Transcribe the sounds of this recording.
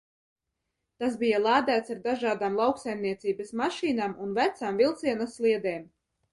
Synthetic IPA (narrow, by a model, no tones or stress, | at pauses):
t̪asbijalˠaːd̪æːt̪saɾd̪aʒaːd̪aːmlˠawksajmniɛt̪siːbɐsmaʃiːnaːmunvæt̪saːmvilˠt̪siɛnaslˠiɛd̪eːm